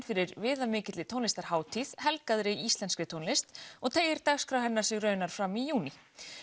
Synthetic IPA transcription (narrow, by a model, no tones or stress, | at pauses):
nfɪɾɪɾvɪːðamɪːcɪt̪lɪt̪ʰownlɪst̪aɾ̥haːwt̪ʰið̥hɛlkaðɾɪist̪lɛnskɾɪt̪ʰownlɪst̪ɔɣt̪ʰeːjɪɾ̥t̪axskɾawɦɛnːḁsɪɣrœːɥnaɾ̥fɾamijuːni